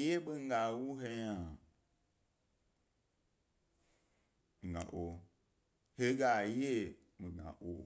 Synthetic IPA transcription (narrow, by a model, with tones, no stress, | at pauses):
je˦ɓe˦ŋ̩˦ɡa˨˦wu˦he˦jã˨ | mi˨ɡã̰˨ʔo˨ | he˦ɡa˨je˦ | mi˨ɡã̰˨ʔo̰˨